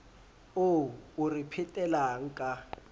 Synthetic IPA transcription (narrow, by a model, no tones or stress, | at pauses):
ouripʰɛtʼɛlaŋ̩kʼa